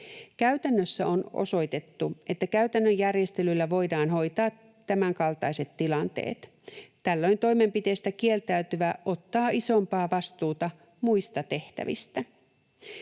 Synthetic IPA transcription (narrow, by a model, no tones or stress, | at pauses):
kæyɥt̪ænːøsːæo̞no̰so̞jt̪e̞t̪ːuʔe̞t̪ːækæyt̪ænːøjærje̞st̪elylːæʋo̞jdɑːnho̞jt̪ɑː | tːæmæŋkɑlt̪ɑjse̞t̪ːilɑnt̪ḛːt̪ | t̪ælːo̞jnt̪o̞jme̞mpit̪e̞st̪ækie̞lt̪æyt̪yʋæʔo̞t̪ːɑːʔiso̞mpɑːʋɑst̪uːt̪ɑ | mujst̪ɑt̪e̞ht̪æ̰ʋḭst̪æ